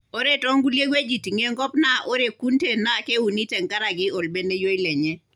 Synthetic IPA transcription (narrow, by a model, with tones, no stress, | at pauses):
o˦ɾe˦tɔ˦ŋɡu˦lje˦ɡwe˦d͡ʒi˨ti˨ŋe˦ŋɡɔ˦pna˦ʔo˦ɾe˨ku˦nte˦˨na˦ke˦u˨ni˦tɛ˨ŋka˦ɾa˨ɡɪ˦o˨lbe˦nde˦jo˦i˦lɛ˨ɲɛ˦